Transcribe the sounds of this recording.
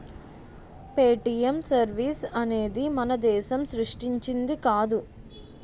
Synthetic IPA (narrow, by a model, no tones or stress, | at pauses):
peːʈijɐmsɐɾʋiːsɐne̞ːd̪imɐnɐd̪ɛːʃɐmsɾuʂʈiɲt͡ʃind̪ikaːd̪u